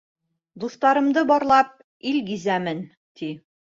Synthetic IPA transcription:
d̪uθt̪ɑɾɤ̆md̪ɤbɒɾlˠɑp̚ | ilɡizæmɘn | t̪i

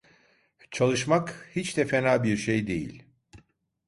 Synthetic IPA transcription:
t͡ʃʰalˠɯʃmakhit͡ʃd̪ɛfenaːbiɾʃejd̪e̞̰jḭlʲ

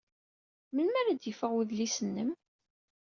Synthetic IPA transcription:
məlmæɾæd̪jəfəʁwiðlisənːəm

